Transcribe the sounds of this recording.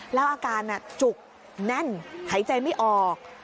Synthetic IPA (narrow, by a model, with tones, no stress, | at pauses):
lɛ˦˥wʔaː˧kaː˧nʔa˨˩t͡ɕu˨˩k̚ | nɛ˥˩˨nha˨˩˦jt͡ɕa˧jma˥˩jʔɔː˨˩k̚